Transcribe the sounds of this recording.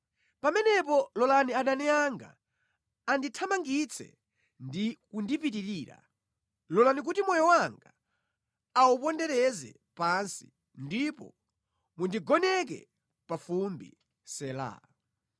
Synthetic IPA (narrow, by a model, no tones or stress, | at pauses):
pamɛnɛp̬ɔlɔlaniaɗanɛaŋɡa̰ | anditʰamaŋɡit͡sʰɛ̰ | ndikundipitiɾiːɾa̰ | lɔlanik̬utimɔjɔwaŋɡa | awupɔndɛɾɛzɛ̰ | pansi̥̰ | ndipɔ̰ | mundiɡɔnɛk̬ɛ̰ | pafumbḭ | sɛla̰